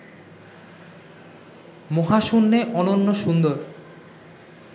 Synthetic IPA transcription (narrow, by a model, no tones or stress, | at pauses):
moɦaʃunːeʔɔnonːoʃund̪oɾ